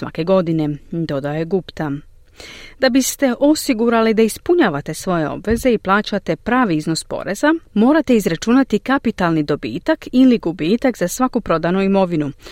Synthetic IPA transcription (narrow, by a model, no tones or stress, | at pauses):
sʋa̰ke̞ɡo̞d̪ine̞d̪o̞d̪ao̞je̞ɡupt̪a | d̪abist̪e̞ʔo̞siɡuɾalid̪aispuɲaʋat̪e̞sʋo̞je̞o̞̰bʋe̞ze̞iplˠaːt͡ɕat̪e̞pɾaːʋiizno̞spo̞̰ɾe̞zamo̞ːɾat̪e̞izɾat͡ʃunat̪ikapit̪alˠnid̪o̞bḭːt̪akiliɡubiːt̪akzasʋakupɾo̞d̪anuimo̞ʋinu